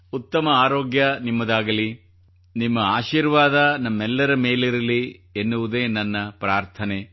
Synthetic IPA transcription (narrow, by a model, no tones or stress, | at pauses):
ut̪ːɐmɐaːɾoːɡjɐnimːɐd̪aːɡɐli | nimːɐaːʃiːɾʋaːd̪ɐnɐmːɛlːɐɾɐme̞ːliɾɐlienːuʋud̪e̞ːnɐnːɐpɾaːɾt̪ʰɐne̞